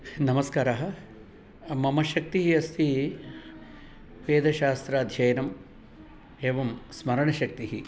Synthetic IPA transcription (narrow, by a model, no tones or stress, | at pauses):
nɐmɐskaːɾaːɦɐ | mɐmɐʃɐk̚t̪iɦiɐst̪i | ʋeːd̪ɐʃaːst̪ɾaːd̪ʱjɐjɐnɐm | eːʋɐmsmɐɾɐɳɐʃɐk̚t̪iɦi